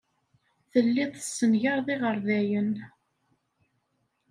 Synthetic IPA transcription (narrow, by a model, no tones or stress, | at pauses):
θəlːiðˤəsːənʝaɾðˤiʁəɾˤðæjən